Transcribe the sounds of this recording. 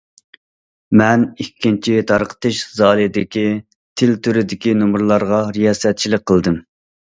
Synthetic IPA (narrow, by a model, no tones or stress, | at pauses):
mɛnikʲʰːint͡ʃʰit̪ʰɑɾqʰə̥t̪ɨʃzɑːlˠɨd̪ɪkʲi | t̪ʰɪlt̪ʰyɾɪd̪ɪkʲinumɾlˠɑɾʁɑɾijɑːsɛt̪̚t͡ʃʰilɪk̚ʲqʰəlˠd̪ɨm